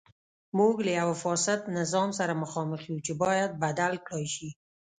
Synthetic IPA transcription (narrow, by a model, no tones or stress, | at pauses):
muɡlajawafɑsɪt̪nɪzɑmsaɾamʊxɑməχeut͡ʃebɑjad̪̚bad̪alklɑjʃi